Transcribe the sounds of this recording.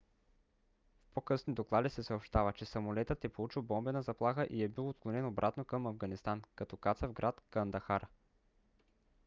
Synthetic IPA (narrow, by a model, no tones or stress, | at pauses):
fpokɤsnid̪oklˠad̪isɛsɐopʃt̪avət͡ʃɛsɐmolɛt̪ət̪ɛpolˠut͡ʃilˠbɔmbɛnɐzɐplˠaxəʔiɛbilˠot̪̚klˠonɛnobɾʔat̪nokəmɐvɡɐnist̪ankɐt̪ɔkat̪səvɡɾʔat̪kɐnd̪ɐxaɾ